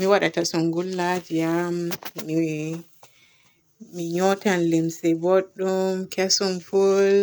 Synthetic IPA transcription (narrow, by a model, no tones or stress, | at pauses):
miwaɗatasɔŋɡulːad͡ʒijamːi | miɲɔtanlimsɛbɔɗːɔmkʰɛsɔmful